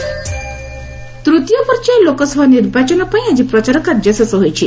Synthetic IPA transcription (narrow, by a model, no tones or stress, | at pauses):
t̪ɾut̪jɔpɔɾt͡ʃajlokɔsɔbʱaniɾbat͡ʃɔnɔpaĩad͡ʒipɾɔt͡ʃaɾɔkaɾd͡ʒɔsɔsɔɦojt͡ʃʰi